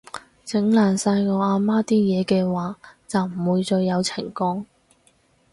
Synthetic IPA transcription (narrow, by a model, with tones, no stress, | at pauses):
t͡sɪ˨˥ŋlaː˨˩nsaː˧jŋɔː˨˧aː˧maː˥t̪iː˥jɛː˨˧kɛː˧waː˨t͡sɐ˨wm̩˨˩wuː˨˧jt͡sɔː˧jjɐ˨˧wt͡sʰɪ˨˩ŋkɔː˥ŋ